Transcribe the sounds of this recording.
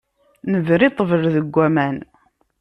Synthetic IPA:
nəvɾit̪ˤːəvəɾðəɡʷːæmæn

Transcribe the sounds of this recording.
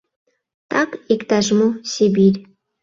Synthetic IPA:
t̪ɑkikt̪aʒmosʲibiɾʲ

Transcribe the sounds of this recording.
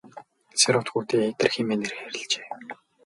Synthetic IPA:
t͡sʰeɾʊt̪xuːt̪eːet̪ə̆rximeːner̆xæɾɪ̆ɮt͡ɕe̥ː

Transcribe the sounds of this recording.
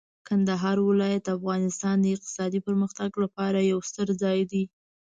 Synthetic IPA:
kand̪aɦɑɾwɪlɑjat̪afɣɑnɪst̪ɑnd̪əɪq̚t̪ɪ̥sɑd̪ipəɾməxt̪aɡlapɑɾajawst̪əɾd͡zɑjd̪i

